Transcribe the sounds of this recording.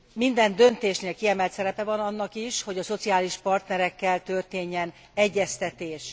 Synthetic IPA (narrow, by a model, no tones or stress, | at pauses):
mind̪ɛnd̪ø̞nt̪eːʃneːlkiɛmɛlt̪sɛɾɛpɛvɒnɒnːɒkiʃho̞ɟɒso̞t̪siaːliʃpɒrt̪nɛɾɛkːɛlt̪ø̞rt̪eːɲːɛn | ɛɟːɛst̪ɛt̪eːʃ